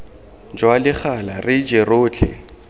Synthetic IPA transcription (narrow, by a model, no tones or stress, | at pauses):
d͡ʒwalɪχalarɪd͡ʒeroːt͡ɬʰɛ̰